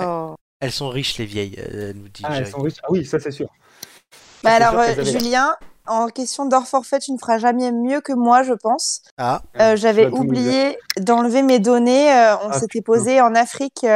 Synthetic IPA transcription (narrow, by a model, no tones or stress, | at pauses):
o | ɛlsɔ̃ʁiʃlevjɛj̰nud̪iɛlsɔ̃ʁiʃawisasɛsyːʁ | bɛalɔʁøʒyljɛ̃ɑ̃kʲɛst̪jɔ̃d̪ɔʁfɔʁfɛt̪ynəfəʁaʒamɛmjøkəmwaʒəpɑ̃s | aøʒavɛʔublijed̪ɑ̃lvemed̪ɔneøɔ̃set̪ɛpozeɑ̃nafχik